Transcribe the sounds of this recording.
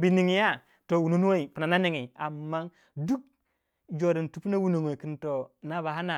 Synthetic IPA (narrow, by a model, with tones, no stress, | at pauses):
bi˨ni˨ŋ˨ja˦ | to˨wu˨no˦n˦o˦i˨pi˨na˨na˦ne˦˨ŋe˨a˨mːa˦ŋ | du˦k̚ | d͡ʒo˨ɾi˨n˨tu˨˦pu˦na˦wu˦no˨ŋwo˨i˨ki˨nto˨na˦ba˨ɦa˦na˨